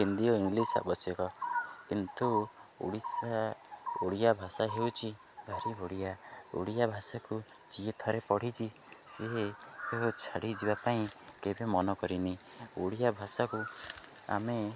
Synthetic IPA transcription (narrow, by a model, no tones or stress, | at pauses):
ɦind̪iɔiŋɡlisa̰bɔsjɔkɔkint̪uo̰ɽisaoɽijabʱasaɦewt͡ʃʰi | bʱaɾiboɽijao̰ɽijabʱasaku | d͡ʒiet̪ʰɔɾepɔɽ̤it͡ʃʰi | seɦeeɦot͡ʃʰaɽid͡ʒibapaĩkebemɔnɔkɔɾinioɽijabʱasaku | a̰me